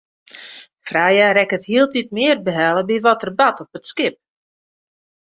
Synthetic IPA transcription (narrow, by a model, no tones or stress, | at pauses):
fraːjarɛkəthiəlˠtit̚mɪərbəɦɛlˠəbiʋɔtərbatɔpətskɪp̚